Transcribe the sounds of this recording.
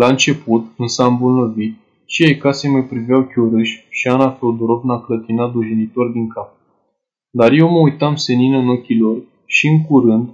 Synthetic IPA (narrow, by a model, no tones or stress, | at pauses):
laɨnt͡ʃe̞put̪ɨnsəambolnəvit̪̚ | t͡ʃijajkasemajpɾivejawkʲuɾɨʃʲʃianafowd̪oɾo̞vnaklət̪inat̪d̪uʒinit̪o̞rd̪iŋkap̚ | d̪arje̞wməujt̪amse̞ninəno̞kʲilo̞r | ʃiɨŋkuɾɨnd̪